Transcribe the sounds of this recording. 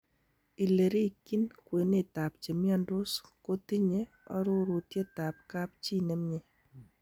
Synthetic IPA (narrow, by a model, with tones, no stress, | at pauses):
i˨le˨ɾi˦ki˦nkwe˨ne˨ta˨p̚t͡ʃe˨mjɔ˦ndo˦sko˦ti˦ɲe˦ | ɔ̰˦ɾo˦ɾu˨tje˦ta˨p̚ka˦p̚t͡ʃi˦nɛ˦mɲe˨